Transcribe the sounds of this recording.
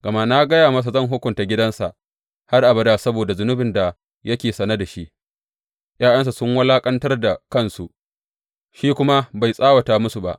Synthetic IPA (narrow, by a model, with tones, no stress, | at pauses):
ɡ̥ɐ˨ma˦na˦ɡɐ˦jaː˨mɐ˦s̬a˨zɐ˦˨ŋɦʊ˦kʷʊ˨nta˨ɡʲɪ˦dɐ˦nsa˨ʔ | ha˦rʔa˨bɐ˦da˦sɐ˦boː˨da˨zʊ˦nʊ˦bɪ˨nda˨ | jɐ˦kʲeː˨sɐ˨nɐ˦da˨ʃi˦ʔ | j̰aː˦jɐ˦ns̬u˨sʊ˦ŋwɐ˦laː˦kʼɐ˦ntɐ˦rda˨kɐ˦˨nsu˨ʔ | ʃiː˦kʷʊ˦ma˦ba˨jsʼaː˦wɐ˨taː˨mʊ˦su˨ba̰˨ʔ